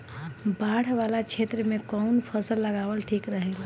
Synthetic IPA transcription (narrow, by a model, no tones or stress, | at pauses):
baɽ̤ʋalat͡ʃʰet̪ɾəmekɔunpʰəsəlːəɡaʋəlʈʰikɾəɦəl